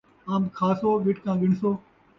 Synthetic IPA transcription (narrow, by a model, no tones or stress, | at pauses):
aːmkʰaːsoːʋɪʈkãːɡɪɳsoː